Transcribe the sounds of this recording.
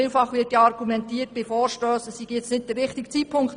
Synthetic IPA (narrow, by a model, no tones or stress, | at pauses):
iːlfɑχʋɪːtjɑɑɾɡumɛntiːət̚b̥ɪfoːɾʃtøːsəssiɡ̥jɛt͡snɪd̚d̥ərːɪχtiɡ̥t͡sipʰʊŋkt